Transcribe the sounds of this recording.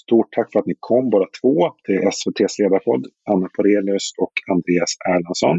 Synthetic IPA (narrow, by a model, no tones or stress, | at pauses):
st̪uːʈʰːakːfœɾat̪nɪkʰɔmːbɑːɾat̪ʰv̥oːd̪̥ʰɛʔɛsvɛt̪ʰeːsleːd̪aɾpʰɔd̪ːanːapʰɔɾeːlʏsɔkʰand̪ɾeːasæːɭansɔn